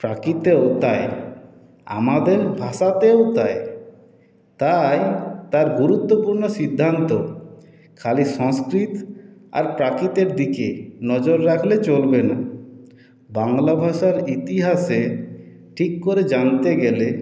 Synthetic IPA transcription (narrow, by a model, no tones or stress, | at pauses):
pɾakit̪eot̪ae | a̰mad̪eɾbʱaʃat̪eot̪ae | t̪ajt̪aɾɡuɾut̪ːopuɾnoʃid̪ʱːant̪o | kʰaliʃɔŋskɾit̪a̰ɾpɾakit̪eɾd̪ikenɔd͡ʑoɾːakʰlet͡ɕolbena | baŋlabʱaʃaɾit̪iɦaʃe | ʈʰikːoɾed͡ʑant̪eɡɛle